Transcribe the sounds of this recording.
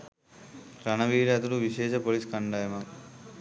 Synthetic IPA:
ɾɐnɐʋiːɾɐt̪ɐluʋiʃeːʃɐpoːliskɐɳɖaːjɐmɐk

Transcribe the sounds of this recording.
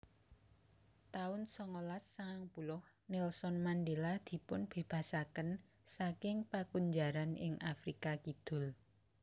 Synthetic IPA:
t̪aʊnsɔŋolassaŋpulʊh | nɪlsɔnmanɖelad̪̥i̤pʊnb̥e̤b̥a̤sakən | sakɪŋpakuɲd͡ʒaɾanɪ̰ŋafɾikakid̪̥ʊ̤l

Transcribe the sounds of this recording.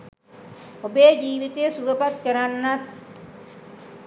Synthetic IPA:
obeːd͡ʒiːʋit̪esuɡɐpat̪̚kəɾanːat̪̚

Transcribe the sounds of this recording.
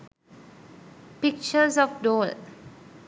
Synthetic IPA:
pik̚t͡ʃəsɔfdɔl

